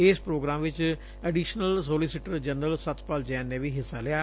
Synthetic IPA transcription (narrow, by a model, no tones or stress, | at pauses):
ɪspɾoːɡɾãːmʋɪt͡ʃ | əɖiːʃnəlsoːlisɪʈəɾd͡ʒənəlsət̪paːld͡ʒɛːnːeːʋiːɦɪsːaːlɪjaː